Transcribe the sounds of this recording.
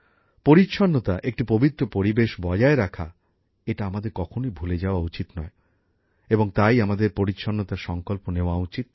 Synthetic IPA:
poɾitːʃʰɔnːot̪aʔek̚ʈipobit̪ːɾopoɾibeʃbɔd͡ʑaeɾakʰa̰ | eʈaamad̪eɾkɔkʰonoibʱuled͡ʑaoaut͡ɕit̪nɔe | eboŋt̪ajamad̪eɾpoɾitːʃʰɔnːot̪aɾʃɔŋkolponeoaut͡ɕit̪̚

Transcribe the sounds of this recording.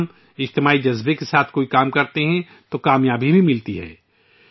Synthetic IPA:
m | ɪd͡ʒt̪ɪmaːid͡ʒɐzbekesaːt̪ʰkoːikaːmkɐɾt̪eɦɛ̃ | t̪okaːmjaːbʱibʱimɪlt̪iɦɛ̰ː

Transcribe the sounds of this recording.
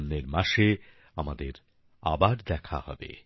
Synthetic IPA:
nːeɾmaʃe | amad̪eɾ | a̰baɾd̪ɛkʰa̰hɔ̰bḛ

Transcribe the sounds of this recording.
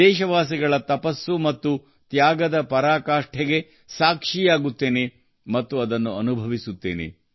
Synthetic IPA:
ɛːʃɐʋaːs̬iɡɐɭɐt̪ɐpɐsːumɐt̪ːu | t̪jaːɡɐd̪ɐpɐɾaːkaːʂʈʰɛɡe̞ | saːkʂijaːɡut̪ːe̞ːne | mɐt̪ːuɐd̪ɐnːuɐnubʱɐʋisut̪ːe̞̰ːnḛ

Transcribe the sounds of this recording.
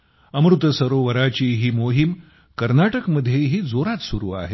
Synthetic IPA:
əmɾut̪əsəɾoʋəɾat͡ɕiːɦiːmoɦim | kəɾnaʈəkməd̪ʱːjeɦiːd͡zoɾat̪suɾuːa̰ɦe

